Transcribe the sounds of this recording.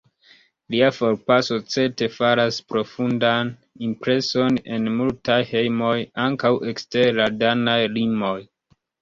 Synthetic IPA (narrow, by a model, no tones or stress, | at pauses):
liafo̞ɾpaso̞t͡se̞te̞faɾaspɾo̞fundan | impɾe̞so̞ne̞̰nmultajhe̞jmo̞jaŋkawʔe̞kste̞ɾladanajlimo̞j